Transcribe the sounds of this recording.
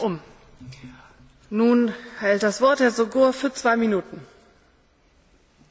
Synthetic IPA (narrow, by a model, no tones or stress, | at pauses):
ʊm | nuːnhɛlt̚d̥asv̥ɔɐt̚d̥eːɐzoɡoːɐfyːɐt͡sv̥aɪminuːtn̩